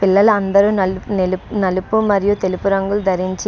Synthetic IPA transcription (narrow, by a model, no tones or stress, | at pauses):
pɪlːɐlɐnd̪ɐɾunɐnɛlnɐlɯpːumɐɾɪjut̪elɪpːɯɾɐŋɡuld̪ʱɐɾɪɲt͡ʃi